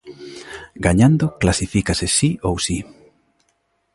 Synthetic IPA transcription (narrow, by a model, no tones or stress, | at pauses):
ɡaɲand̪ʊklasifikasesiowsi